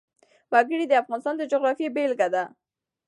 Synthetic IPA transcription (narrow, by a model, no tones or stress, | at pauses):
waɡəɽid̪əafɣɑnɪst̪ɑnd̪əd͡ʒʊɣɾɑfjebelɡad̪a